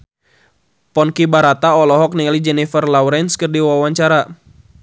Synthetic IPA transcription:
pɔnkibaɾat̪aɔlɔɦɔk̚niŋalid͡ʒɛnifərlawɾɛnskərdiwawaɲt͡ʃaɾa

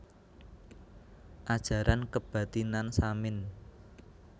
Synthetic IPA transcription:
ʔad̥ʒ̥ä̤ɾʔankəb̥a̤t̪inansamɪn

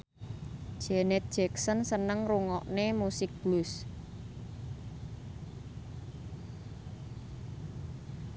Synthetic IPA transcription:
ʒ̥ɛnɛt̪̚d̥ʒ̥ɛksənsənəŋruŋɔʔnemusɪk̚b̥lus

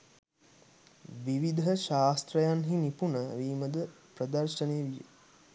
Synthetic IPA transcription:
ʋiʋid̪ʱəʃaːst̪ɾəjanɦinipunəʋiːməd̪ə | prəd̪əɾʃəneːʋijə̰

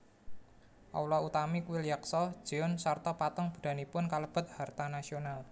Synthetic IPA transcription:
ʔɔ̰wlɔut̪amikuwilijaksɔd̥ʒ̥iɔnsart̪ɔpat̪ɔŋb̥ṳd̥a̤nipʊnkaləb̥ɔ̤t̪̚hart̪anasional

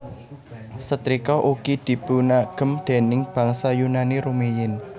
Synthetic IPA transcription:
sət̪ɾikɔʔuɡid̪̥i̤bunaɡ̥ə̤md̪̥e̤nɪŋb̥ä̤ŋsajunaniɾumejɪn

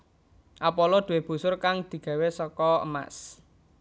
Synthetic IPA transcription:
ʔapɔlɔd̪̥ṳweb̥ṳsʊrkaŋd̪̥i̤ɡ̥a̤wesɔkɔə̰ma̰s

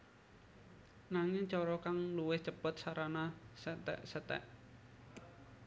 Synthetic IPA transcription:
naŋɪŋt͡ʃɔɾɔkaŋluwɪht͡ʃəpət̪̚saɾanasət̪ɛ̰ʔsət̪ɛ̰ʔ

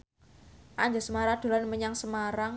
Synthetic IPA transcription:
ʔaɲd͡ʒasəmaɾad̪̥o̤lanməɲaŋsəmaɾaŋ

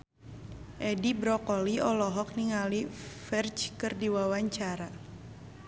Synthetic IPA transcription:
ʔɛdibɾɔkɔliɔlɔɦɔk̚niŋalifɛrt͡ʃkɨrdiwawaɲt͡ʃaɾa

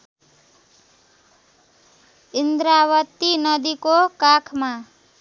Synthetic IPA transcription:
ind̪ɾawʌt̪ːinʌd̪ikokakʰma

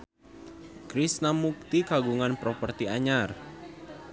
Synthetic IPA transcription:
kɾisnamuk̚t̪ikaɡuŋanpɾɔpərt̪iaɲar

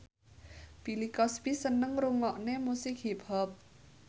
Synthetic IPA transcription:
b̥ilikɔspisənːəŋɾuŋɔʔnemusik̚ɦibʱɦɔp̚

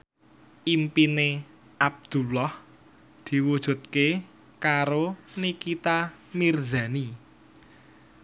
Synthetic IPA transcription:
ʔimpine | ʔab̚d̪̥ṳlɔh | d̪̥i̤wud̥ʒ̥ṳt̪̚ke | kaɾonikit̪a | mirza̤ni

